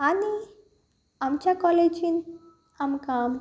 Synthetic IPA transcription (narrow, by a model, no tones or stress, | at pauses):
ani | amt͡ɕjakɔled͡ʒin | amkam